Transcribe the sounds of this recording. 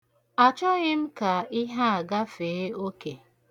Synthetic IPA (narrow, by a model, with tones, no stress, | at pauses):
a˨t͡ʃɔ˦ɣɪ˦m̩˦ka˨ɪ˦ɦa˦a˨ɡa˦fe˨˦o˦ke˨